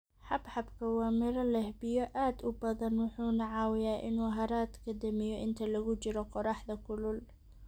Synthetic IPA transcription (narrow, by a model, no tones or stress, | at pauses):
ħɑbħɑbkʰɐwaːmɪɾɐlɐɛhbɪjɔʔaːd̪ʊbɐðɐnwʊħuːnaʕaːwɪjaːʔɪ̰nuːɦɐɾaːt̪kʰɐd̪ɐmɪjɔʔɪnt̪ʰɐlɐɣʊt͡ʃɪɾɔqʊɾɑħd̪ɐkʊlʊl